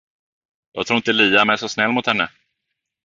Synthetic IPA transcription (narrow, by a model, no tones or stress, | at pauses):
j̪ɑ̰t̪ʰɾuːɪnt̪əliːamɛsɔsnɛlːmʊt̪hɛnːə